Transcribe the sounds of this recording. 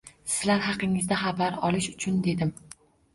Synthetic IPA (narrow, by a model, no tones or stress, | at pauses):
sɪɪ̥zlaɾɦɑqɪŋɪzd̪aχɑbaɾɒlˠɪʃʊt͡ʃʰʊnd̪e̞d̪ɪm